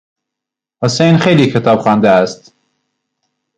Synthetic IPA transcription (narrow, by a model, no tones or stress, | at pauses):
hʊsejnxejliːkʰɪt̪ʰɑːbxɑːnd̪æːst̪